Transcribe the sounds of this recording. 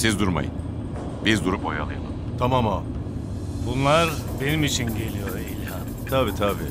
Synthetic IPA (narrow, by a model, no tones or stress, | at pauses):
sizd̪uɾma̰jɯ̰n | bizd̪uɾupoja̰lˠɯ̰jamˠɯ | t̪ʰamamo | bunlˠaɾbe̞nimit͡ʃʰinɟe̞lʲijoɾilʲɦa | t̪ʰabiːt̪ʰabiː